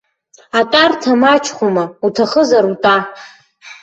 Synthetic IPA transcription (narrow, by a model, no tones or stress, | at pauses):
atʼartʰamat͡ʃʰʼχʷomautʰaχəzaɾutʼa